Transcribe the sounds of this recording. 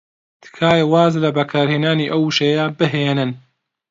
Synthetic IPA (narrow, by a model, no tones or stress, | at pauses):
t̪ʰɨ̥kʰaːjwaːzlɐbɐkʰaːɾheːnaːniːʔɐwuʃejabɨɦenɨn